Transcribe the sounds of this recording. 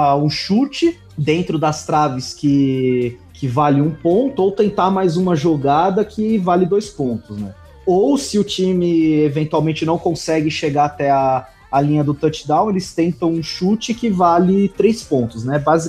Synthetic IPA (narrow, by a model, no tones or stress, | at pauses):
ũʃut͡ʃɪ | d̪ẽnt̪ɾʊd̪ɐst̪ɾavɪskɪ | kʰɪvalɪũpõnt̪ʊowt̪ẽnt̪amajzũmɐʒoɡad̪ɐkʰɪvalɪd̪ojspõnt̪ʊsnɛ̰ | owsɪʊt͡ʃimɪevẽnt̪uawmẽnt͡ʃɪnɐ̃w̃kõsɛɡɪʃeɡaat̪ɛaː | lĩɲɐd̪ʊt̪ɐt͡ʃɪ̥d̪ãw̃elɪst̪ẽnt̪ɐ̃w̃ũʃut͡ʃɪkɪvalɪt̪ɾejspõnt̪ʊznɛbazi